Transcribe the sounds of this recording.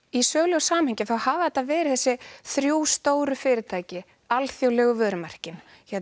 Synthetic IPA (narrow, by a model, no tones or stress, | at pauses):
isœːɣlɛɣsaːmhɛɲcɪθawhaːvðɛt̪ːavɛːɾɪθɛsːɪθɾjuːst̪oːwɾʏfɪːɾɪt̪ʰaːjcɪ | alθjowlɛɣʏvœːɾʏmar̥cɪn | çɛ